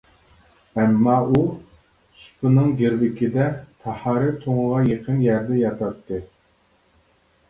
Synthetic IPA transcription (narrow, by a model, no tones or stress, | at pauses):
ɛmːɑʔu | sp̪ʰʊnɨŋɡʲeɾvɪkʲɪd̪ɛt̪ʰɑhɑɾɨt̪ʰoŋəʁɑjeqʰənjæɾd̪ɛjɑt̪ʰɑt̪ːɨ